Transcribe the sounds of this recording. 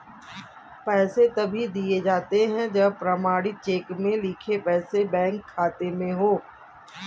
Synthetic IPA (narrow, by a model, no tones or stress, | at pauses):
pɛːset̪ɐbʱid̪ied͡ʒaːt̪eɦɛ̃d͡ʒɐbpɾɐmaːɽit͡ʃeːkmẽlɪkʰepɛːsebɛ̃ːŋkʰːaːt̪emẽɦoː